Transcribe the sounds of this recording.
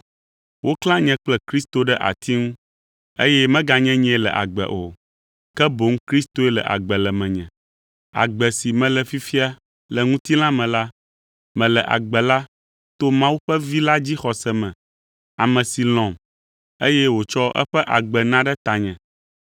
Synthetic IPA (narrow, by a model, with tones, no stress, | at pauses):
wʔo˦klã˦ɲɛ̃˦k͡plɛ˦kɾi˦st̪o˨ɖɛ˦ʔa̰˨t̪ʰi˦ŋũ˦ | e˦jɛ˦mɛ̃˦ɡa˨ɲɛ̃˦ɲɛ̃˨˦lɛ̰˨ʔa̰˨ɡ͡bɛ̰˨ʔo̰˨ | kɛ˦bo˨ŋ̩˦kɾi˦st̪o˦ɛ˦lɛ̰˨ʔa̰˨ɡ͡bɛ˨lɛ˨mɛ̃˨ɲɛ̰̃˨ | a̰˨ɡ͡bɛ˨si˨mɛ̃˨lɛ˨fi˦fi˦a˦ | lɛ˨ŋũ˦t̪i˦lã˦mɛ̃˨la˦ | mɛ̃˨lɛ˨ʔa̰˨ɡ͡bɛ˨la˦ | t̪o˦mã˦wu˦ɸɛ˦vi˦la˦d͡ʑi˦xɔ˨sɛ˦mɛ̃˨ | a˨mɛ̃˨si˨l̃ɔ̃˨m | e˦jɛ˦wo˨t͡ʃɔ˦ʔɛ̰˦ɸɛ˦ʔa˨ɡ͡bɛ˨nã˦ɖɛ˦t̪a˨ɲɛ̰̃˨